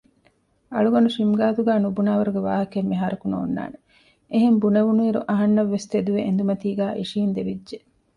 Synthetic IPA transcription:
ɐ̰ɭuɡɐnuʃimɡaːt̪uɡæːnubunaːʋɐɾuɡeʋa̰ːɦɐkemːiɦaːɾɐkuno̰ːnːa̰ːne | eɦembuneʋunuiːɾṵʔɐɦɐnːɐʋːest̪ed̪uʋeʔḛnd̪umɐt̪iːɡæːʔḭʂiːnd̪eʋidʒe

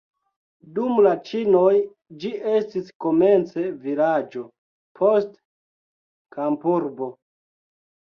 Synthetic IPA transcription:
dumlat͡ʃino̞j | d͡ʒie̞stisko̞me̞nt͡se̞vilad͡ʒo̞ | pʰo̞st | kampuɾbo̞

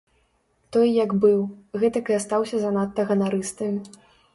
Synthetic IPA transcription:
t̪ɔjjɐɡbɨwɣɛt̪ɐkjast̪awsʲɐzɐnat̪ːɐɣɐnaɾɨst̪ɐmʲ

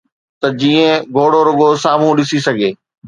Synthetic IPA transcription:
t̪ɐd͡ʑiːə̃ɡʱoːɽoɾʊɠosaːm̤ũɗɪsisɐɡʱeː

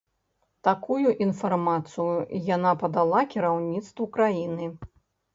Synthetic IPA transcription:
t̪akujuʔinfarmat̪sɨjujanapɐd̪alˠakʲiɾawnʲit̪st̪vɐkɾajinɨ

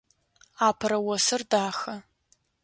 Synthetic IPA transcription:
aːpʰɐɾɐwɔsɨrdaːxɐ

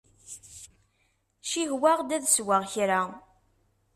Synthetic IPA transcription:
ʃiɦwaʁd̪æðswaʁçɾa

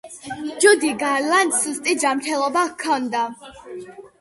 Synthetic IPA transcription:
d͡ʒud̪iɡaɾland̪sust̪ʼid͡ʒamɾt̪ʰɛlˠɔbakʰːɔnd̪a

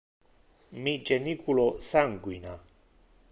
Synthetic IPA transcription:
mid͡ʒenikulosaŋɡwina

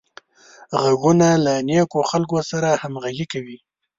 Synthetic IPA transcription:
ɣaɡunalanekoxalkosaɾahamɣaɡikawi

